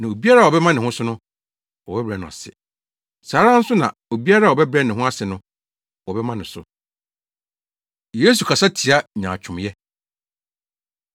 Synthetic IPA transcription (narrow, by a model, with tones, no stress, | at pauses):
nã˨o˨bi˦a˦ɾa˦˨wɔ˨bɛ˦mã˦nɪ̃˨hʊ̃˦sʊ˦nʊ̃˦ | wɔ˨bɛ˦bɾɛ˨nʊ̃˨a̰˨sɪ̰˨ | saː˨˦ɾã˦n̩˦sʊ˦nã̰˨o˨bi˦a˦ɾa˦˨ɔ˨bɛ˦bɾɛ˦nɪ̃˨ɦʊ̃˦a˦sɪ˨nʊ̃˦ | wɔ˨bɛ˦mã˦nɪ̃˨sʊ̰˨ | je˦s̬u˨kʰa˨sa˦tʰi˨a˦ɲãː˨t͡ɕʰᶣʊ̃˨mjɛ˦